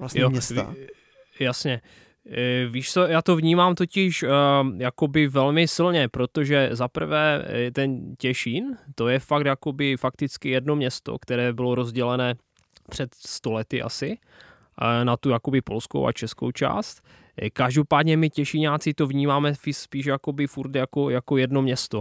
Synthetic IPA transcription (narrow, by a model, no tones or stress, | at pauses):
sjoɛ̰ | jasɲɛ | viːʃt͡sɛjaːt̪o̞vɲiːmaːmt̪o̞cɪʃjakobɪvɛlmɪsɪlɲɛpɾo̞t̪oʒɛzapr̩vɛːt̪ɛncɛʃɪnt̪o̞jɛfak̚t̪jako̞bɪfak̚t̪ɪt͡skɪjɛdno̞mɲɛst̪o̰kt̪ɛɾɛːbɪloɾo̞zɟɛlɛnɛː | pr̥ɛt̪st̪olɛt̪ɪʔa̰sɪ | nat̪ujakobɪpo̞̰lsko̰wʔa̰t͡ʃɛsko̰wt͡ʃa̰ːst̪ | kaʒdopaːd̪ɲɛmɪcɛʃɪɲaːt͡sɪt̪ovɲiːmaːmɛfɪspiːʃjako̞bɪfuɾt̪jako̞jakojɛdno̞mɲɛst̪o